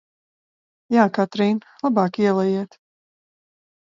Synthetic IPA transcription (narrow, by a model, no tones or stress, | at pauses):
jaːkat̪ɾiːnlˠabɑːkiɛlˠajiɛt̪